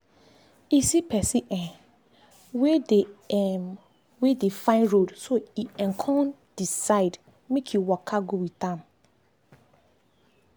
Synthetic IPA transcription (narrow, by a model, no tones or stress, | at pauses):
isipʰɛsiʔɛ̃n | wede | wedefãɪ̃nɹodsoiɛ̃nkʰɔ̃nd̥isaɪd | mekʰjuwɔkʰaɡowitãm